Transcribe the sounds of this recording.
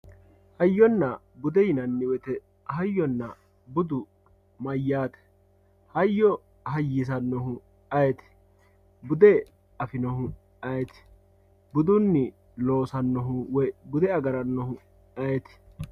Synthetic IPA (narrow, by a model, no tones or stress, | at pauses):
hɐjːɔnːɐ | bʊd̪ɛjɪnɐnːɪwɛt̪ɛ | hɐjːɔnːɐ̰ | bʊd̪ʊ | mɐjːaːt̪ɛ̥ | hɐjːɔ | hɐjːis̬ɐnːɔɦʊ | ɐjɛt̪ɪ̥ | bʊd̪ɛ | ɐfɪnɔhʊ | ɐjɛt̪ɪ̥ | bʊd̪ʊnːɪ | lo̞ːsɐnːɔɦʊwɛbʊd̪ɛɐɡɐɾɐnːɔhʊ | ɐjɛt̪ɪ̥